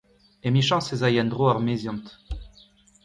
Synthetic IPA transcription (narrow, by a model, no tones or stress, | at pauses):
emiʃɑ̃sezajɛnd̪ʁoaʁmezjɑ̃nt̪